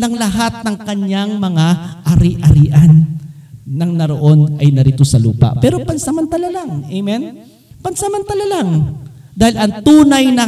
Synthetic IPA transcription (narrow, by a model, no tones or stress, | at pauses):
nɐŋlɐɦat̪̚nɐŋkɐɲːaŋmɐŋaʔɐɾiʔɐɾiːʔɐnː | ɐŋnɐɾoʔo̞nʔɐjnɐɾiːt̪o̞sɐlṵːpɐ̰ʔpɛːɾo̞pɐnsɐmɐnt̪ɐlalaŋʔejmɛn | pɐnsɐmɐnt̪ɐlalaŋ | d̪aːhɪlʔɐŋt̪uːnɐjnɐ